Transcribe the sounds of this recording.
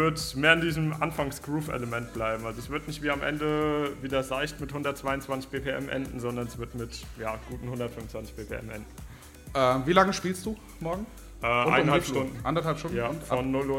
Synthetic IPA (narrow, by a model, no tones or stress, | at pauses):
vɪɐtmeːɐɪndiːzəmʔa̰nfaŋsɡ̥ʁuːfɛ̰ləmɛnt̚b̥laɪbm̩ʔalzoɛsv̥ɪɐtnɪçtv̥iːamʔɛ̰ndəviːdɐzaɪçtmɪthʊndɐt̚t͡sv̥aɪʊnt͡sv̥ant͡sɪçb̥eːpʰeʔɛ̰mʔɛ̰ndn̩zɔndɐnɛsv̥ɪɐtmɪtjaːɡ̥uːtn̩hʊndɐtfʏnfvn̩t͡sv̥ant͡sɪ̥çb̥eːpʰḛʔɛ̰mʔɛ̰ndn̩ | ʔɛːmviːlaŋəʃpiːlstd̥uː | mɔɐɡŋ̩ | ʔɛːʔʊaɪnnhaptʊndn̩ʔa̰ndɐthalpʃtʊnjaːʊnfɔnːʊlʊ